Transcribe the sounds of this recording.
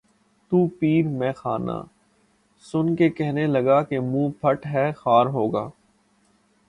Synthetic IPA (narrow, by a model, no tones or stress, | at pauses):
t̪uːpiːɾmɛ̃ːxaːna̰ː | sʊnkekɛɦnelɐɡakemũːpʰɐʈɦɛːxaːɾɦoːɡa̰ː